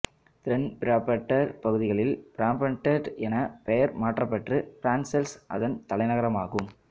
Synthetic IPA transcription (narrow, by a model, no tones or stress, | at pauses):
t̪ɪɾɛnpɪɾaːpɐʈːɐɾpɐɣɯðɪɣɐɭɪlpɪɾaːmpɐɳʈːɐʈɛnɐpɛjɐɾmaːʈrɐpːɐʈrɯfɪɾaːnsɛlsʔɐ̰ðɐnt̪ɐlɐɪnɐɣɐɾɐmaːɣɯm